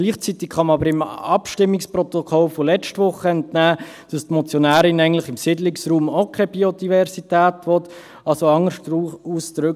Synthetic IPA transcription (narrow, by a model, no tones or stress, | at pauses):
ɡ̥liːχt͡sit̪ɪkχɑməɑbəɾɪmɑpʃtɪmːɪkspɾɔt̪okʰɔlfɔlɛt͡ʃtʋʊχəɛntnæː | d̥ɑstmɔt͡sjonæːɾɪnæɪɡŋntlɪχɪmsɪdlɪksruːmokʰχɛbiod̥ivɛɾsitæːtʋɔt | ɑlsoɑŋəʃuuːsdɾʏk